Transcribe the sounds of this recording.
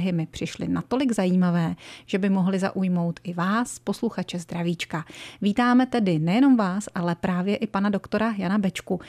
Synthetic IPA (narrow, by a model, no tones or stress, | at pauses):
ɦɪmɪpr̥ɪʃlɪ̰nat̪o̞lɪɡzajiːmavɛːʒ̥ɛbɪmo̞ɦlɪza̰ʔujmo̞wt̪ʔɪvaːspo̞sluxat͡ʃɛzd̪ɾaviːt͡ʃkaviːt̪aːmɛt̪ɛdɪnɛjɛno̞mvaːsʔalɛpɾaːvjɛʔɪpanado̞kt̪o̞ɾajanabɛt͡ʃku